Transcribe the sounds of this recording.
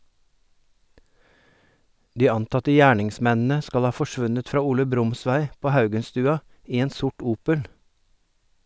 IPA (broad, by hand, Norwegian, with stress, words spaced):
ˈdiː ˈɑntɑtə ˈjæːɳɪŋˌsmɛnn̩ə ˈskɑl ˈhɑː fɔˈʃʋʉnət ˈfɾɑː ˈuːlə ˈbɾʊmˌsʋæɪ ˈpoː ˈhɑʉɡənstʉːɑ ˈiː ˈeːn ˈsʊʈ ˈuːpəl